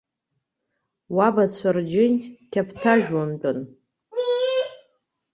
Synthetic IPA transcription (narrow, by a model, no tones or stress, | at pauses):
wabat͡ɕʷʰard͡ʒɪnkʲʰapʰtʰaʒᶣwamt͡pʼʊn